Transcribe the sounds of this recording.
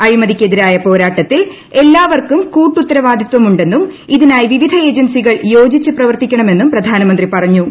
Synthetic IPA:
ɐɻimɐðikʲːe̞ðiɾaːjɐpo̞ːɾaːʈːɐt̪ːil | e̞lːaːʋɐrkumkuːʈːut̪ːɐɾɐʋaːd̪ʱit̪ʋɐmuɳɖe̞nːum | iðinaːjʋiʋid̪ʱɐe̞ːd͡ʑɐnsiɣɐɭjo̞ːd͡ʑit͡ɕːɨprɐʋɐrt̪ikʲːɐɳɐme̞nːumprɐd̪ʱaːnɐmɐnd̪ripɐrɐɲːu

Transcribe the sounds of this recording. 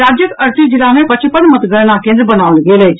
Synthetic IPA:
aːd͡ʒjəkɐɾt̪ʰid͡ʒɪlamẽpət͡ʃʰipəɽmət̪ɡəɽñakẽːnd̪ɾbənaːʊlɡeːleː

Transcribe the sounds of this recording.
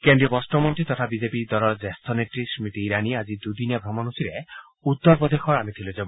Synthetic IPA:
kend̪ɾiɔbɔsʈɔmɔnt̪it̪ɔt̪ʰabid͡ʒepid̪ɔlɔd͡ʒest̪ʰoneʈɾismit̪iiɾaniad͡ʒid̪ud̪iniabʱɾɔmɔnusiɾe | ut̪ːɔɾpɔd̪ʱexʰɔɾamet̪ʰilod͡ʒeb

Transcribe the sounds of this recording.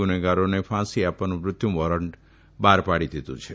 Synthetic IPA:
uneɡaɾonepʰãsiapənumɾʊt̪ʰjumʋɔɾəɳʈ | baɾpaɽid̪ʱit̪ṵ̃t͡ʃʰe

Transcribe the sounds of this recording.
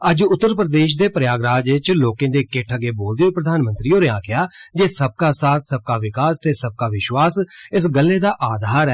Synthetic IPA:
əd͡ʒʊt̪ːəɾpɾəd̪eːʃ̬d̪eːpɾjaːɡɾaːd͡ʒɪt͡ʃloːkẽːd̪eːkeʈʰəɡeːboːld̪eoːpɾəd̪ʱaːnmə̃nt̪ɾiːoːɾeãːkɪaːd͡ʒeːsəb̚kaːsaːt̪ʰsəb̚kaːʋɪkaːst̪eːsəb̚kaːʋɪʃwaːsɪs̬ɡəlːeːd̪aːʔaːd̪ʱaːɾɛː

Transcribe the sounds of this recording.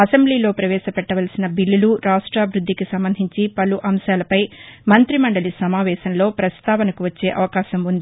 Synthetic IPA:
ɐsembliːlo̞ːpɾɐʋɛːʃɐpɛʈːɐʋɐlsinɐbilːuluɾaːʂʈɾaːbɾud̪ʱːikisɐmbɐnd̪ʱiɲt͡ʃipɐluʔɐmʃaːlɐpɐjmɐnt̪ɾimɐɳɖɐlisɐmaːʋɛːʃɐnlo̞ːpɾɐst̪aːʋɐnɐkuʋɐt͡ʃːe̞ːʔɐʋɐkaːʃɐmund̪i

